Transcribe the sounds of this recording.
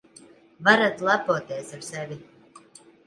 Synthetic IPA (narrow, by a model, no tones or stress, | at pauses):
vaɾad̪lˠapuɔt̪eːsaɾsɛvʲi